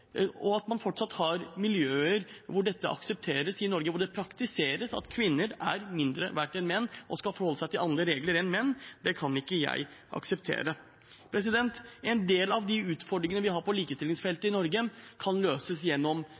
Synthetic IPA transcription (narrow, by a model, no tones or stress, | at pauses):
ɔɑt̪mɑnfɔʈːʂɑt̪ːhɑɾmɪljøːəɾʋʊɖɛt̪ːə̰ʔɑ̰ksəp̚t̪ʰeːɾəsɪnɔɾɡəʋʊɖɛpʰɾɑkt̪ɪseːɾəsɑ̰t̪kʰʋɪnːəɾæɾmɪnd̪ɾə̰ʋæʈːɛnmɛnːʔɔskɑlfɔɾhɔlːəsæɪt̪ʰɪlʔɑnd̪ɾəɾeːɡləɾɛnmɛnːd̪ɛkʰɑnɪkːəjæ̰ɪʔɑ̰ksəp̚t̪ʰḛːɾə | pʰɾɛs̬ɪd̪ɛnt̪ɛnd̪eːlɑʋd̪ɪʉːt̪fɔɖɾɪŋənəʋɪɦɑɾpʰɔliːkəst̪ɪlːɪŋsfɛlt̪əɪnɔɾɡəkʰɑnløːsəsjɛnːɔm